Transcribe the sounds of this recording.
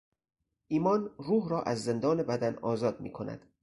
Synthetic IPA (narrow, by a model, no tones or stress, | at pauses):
ʔiːmɒːnruːɦɾɒːʔæzːe̞nd̪ɒːne̞bæd̪ænɒːzɒːd̪̚mḭːkʰonæ̰d̪̥